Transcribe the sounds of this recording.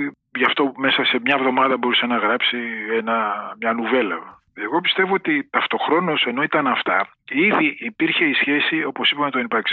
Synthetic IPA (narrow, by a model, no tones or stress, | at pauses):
ʝɐft̪o̞me̞sɐse̞mɲɐevðo̞mɐðɐbo̞ɾise̞nɐɣɾɐpsienɐmɲɐnuve̞lɐ | eɣo̞pi̥st̪e̞vo̞ot̪it̪ɐft̪o̞xɾo̞nose̞no̞it̪ɐnɐft̪ɐ | iðiʔːpiɾçe̞isçe̞sio̞po̞sipɐmet̪onipɐɾks